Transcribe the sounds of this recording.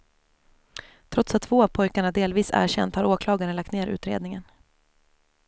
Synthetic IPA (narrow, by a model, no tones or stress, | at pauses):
t̪ʰɾɔt̪sat̪ʰːv̥oːavpʰɔjkaɳaɖeːlviːsæ̰ːɾɕɛ̰nt̪haɾoːkʰlɑːɡaɾənlakt̪neːɾʉ̟ːt̪ɾḛːd̪nɪŋən